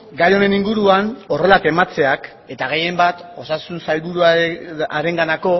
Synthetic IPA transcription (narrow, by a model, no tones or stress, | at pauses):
ɡajo̞ne̞niŋɡuɾuano̞re̞late̞mat͡se̞ak | e̞t̪aɣ̞e̞je̞mbat̪o̞sasunsajlβuɾuaɾe̞ŋɡanako̞